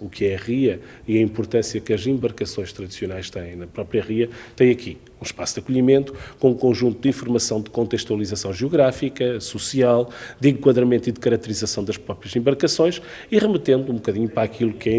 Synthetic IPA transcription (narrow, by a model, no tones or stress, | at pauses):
ukɛɐʁiɐ | iɐĩmpuɾt̪ɐ̃sjɐkɐzẽmbɐɾkɐsõj̃ʃt̪ɾɐðisiunajʃt̪ɐ̃jẽj̃nɐpɾɔpɾjɐʁiɐt̪ɐ̃j̃ɐkʰi | ũʃpasud̪ɐkuʎimẽnt̪u̥kõũkõʒũnt̪ud̪ĩfuɾmɐsɐ̃w̃d̪ɨkõnt̪ɨʃt̪wɐlˠizɐsɐ̃w̃ʒuɣɾafikɐsusialˠd̪ẽŋkwɐðɾɐmẽnt̪iðɨkɐɾɐk̚t̪ɨɾizɐsɐ̃w̃d̪ɐʃpɾɔpɾjɐzẽmbɐɾkɐsõj̃ʃ | iʁɨmɨt̪ẽnd̪ũbukɐðiɲupɾakilˠukɛ